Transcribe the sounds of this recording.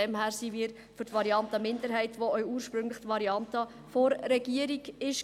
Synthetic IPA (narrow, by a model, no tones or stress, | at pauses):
ɛmhæːɾsiːʋiːɾ | fʏɾtʋɑɾiɑntəmɪndəɾɦɛɪtʋoœʏuːəɾʃpɾʏŋləχt̪ʋɑɾiɑntə | foɾːɛɡ̥iəɾiɡɪʃ